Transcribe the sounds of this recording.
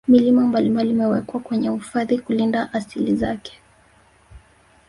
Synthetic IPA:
milimambalimbalimɛwɛkwakwɛɲɛhufaðikulindaʔasilizakɛ̥

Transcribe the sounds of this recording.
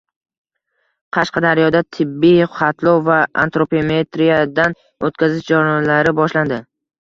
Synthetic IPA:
qʰɑʃqɑd̪aɾjɒd̪at̪ʰɪbːijχɑt̪ʰlˠɒwvaa̰nt̪ɾopemet̪ɾijad̪an | ot̪̚kʲʰazɪʃd͡ʒaɾlaɾɪbɒʃland̪ɪ

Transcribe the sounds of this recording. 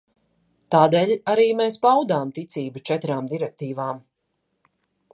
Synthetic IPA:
t̪aːd̪eːlʲaɾiːmeːspawd̪aːmt̪it̪siːbut͡ʃɛt̪ɾaːmd̪iɾɛk̚t̪iːvaːm

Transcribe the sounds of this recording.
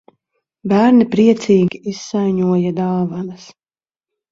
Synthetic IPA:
bæːɾnipɾiɛt̪siːɡʲiisːajɲuɔjad̪aːvanas

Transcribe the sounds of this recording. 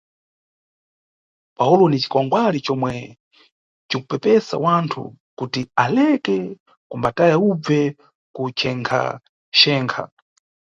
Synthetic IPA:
paulɔnit͡ʃi̥kɔŋɡwalit͡ʃɔmwɛ | t͡ʃikupɛpɛsa̰wantʰṵkutialɛkɛ | kumbatajaub͡vɛ | kut͡ʃʰɛŋkʰa̰ | ʃɛːŋkʰa̰

